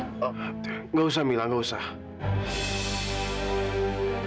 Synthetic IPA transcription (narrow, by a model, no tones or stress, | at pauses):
ŋɡows̬amilaŋɡowsa